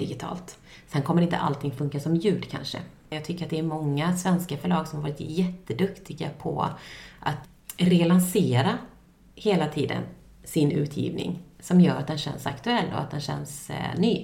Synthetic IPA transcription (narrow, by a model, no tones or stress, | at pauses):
d̪̥ɪɡɪt̪ʰɑ̰ːlt̪ | sɛnkʰɔmːəɾɪnt̪ə̰ʔa̰lt̪ʰɪŋfɵŋkasɔmjʉ̟ːɖkʰa̰nʂə̰ | jɑːɡ̚t̪ʰʏkːəɾat̪̚d̪ɛːɾmɔŋːasvɛnskafœɭɑːɡsɔmhavɑːɾɪt̪jɛt̪ːəd̪ɵkt̪ʰɪɡa̰pʰɔ̰ʔa̰t̪ | ɾɛlanseːɾa | heːlat̪ʰiːd̪ə̰n | sɪnʉ̟̰ːt̪ʰjḭːvnɪ̰ŋsɔmjœːɾa̰t̪̚d̪ɛnɕɛ̰nsa̰kt̪ɵɛlːɔ̰a̰t̪̚d̪ɛnɕɛ̰nːsnyː